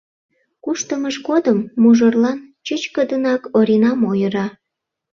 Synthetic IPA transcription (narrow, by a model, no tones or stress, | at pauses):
kuʃt̪əməʃɡod̪əmːuʒərlɑnt͡ɕət͡ɕkəd̪ənɑkoɾʲinɑmojəɾɑ